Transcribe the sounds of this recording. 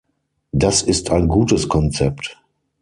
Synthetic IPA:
dasɪstʰaɪnɡuːtəskʰɔnt͡sɛp̚t

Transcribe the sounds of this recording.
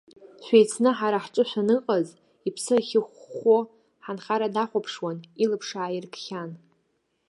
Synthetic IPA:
ʃʷᶣejt͡sʰnɨħaɾaħʈ͡ʂʼɨʃʷᶣanɨqʼaz | ipʰsɨχʲɪχʷːo | ħanχaɾadaχʷapʰʂwanilɨpʰʂaːjɪrkʰχʲan

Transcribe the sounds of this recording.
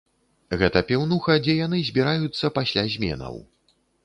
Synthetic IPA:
ɣɛt̪ɐpʲɛwnuxɐd͡zʲɛjanɨzʲbʲiɾajut̪sːɐpasʲlʲazʲmʲɛ̰nɐ̰w

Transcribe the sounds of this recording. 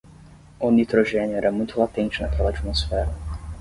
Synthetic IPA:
ʊnit̪ɾoʒẽnjʊɛɾɐmũj̃t̪ʊlat̪ẽnt͡ʃɪnakʰɛlɐat͡ʃimosfɛɾɐ

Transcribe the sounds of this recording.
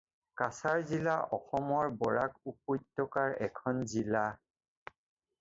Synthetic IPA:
kasaɹzilaʔɔxɔmɔɹbɔɹakup̚ujtːɔkaɹɛkʰɔnzila

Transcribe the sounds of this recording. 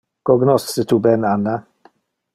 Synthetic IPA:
ɡ̥ɔɡnɔssətʰubɛnana

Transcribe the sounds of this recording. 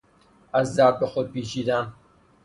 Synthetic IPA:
ɐzd̪aːd̚bɐxod̪̚piːt͡ʃiːd̪aːn

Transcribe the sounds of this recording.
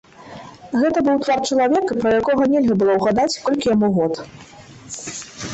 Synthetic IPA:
ɣɛt̪ɐbɨwt̪vart͡ʂɐlˠavʲɛkɐpɾɐjakɔɣɐnʲɛlʲɣɐbɨlˠɔwɣad̪at͡sʲkɔlʲkʲijamuɣɔt̪

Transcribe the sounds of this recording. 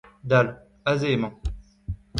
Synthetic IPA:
d̪al | azemɑ̃

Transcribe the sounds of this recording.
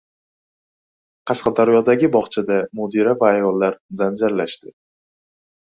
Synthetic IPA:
qʰɑʃqɑd̪aɾjɒd̪aɡʲɪbɒχt͡ʃʰad̪amod̪iɾavaːjɒlˠːaɾzand͡ʒaɾlaʃt̪ɪ

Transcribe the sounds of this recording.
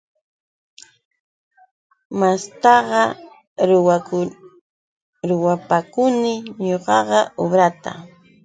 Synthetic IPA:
mast̪ɑɢɑ | ɾʊwapakʊnɪɲoɢɑɢɑobɾat̪a̰

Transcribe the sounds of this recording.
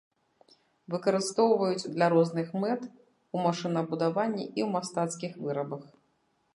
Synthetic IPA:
vɨkɐɾɨst̪ɔwvɐjut͡sʲd̪lʲaɾɔznɨxmɛt̪ | umaʂɨnɐbud̪avanʲːiʔiwmast̪at̪skʲixvɨɾɐbɐx

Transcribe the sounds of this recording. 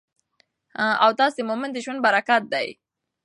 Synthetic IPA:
hãawt̪ɑsemomɪnd̪əʒwand̪̚baɾakat̪̚d̪aj

